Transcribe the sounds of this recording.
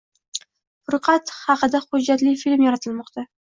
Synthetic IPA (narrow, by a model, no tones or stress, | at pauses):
χʊɾqʰɑt̪hɑqɨd̪aχʊd͡ʒːat̪lɪfilmjɑɾat̪ʰɪlmɒqt̪ʰa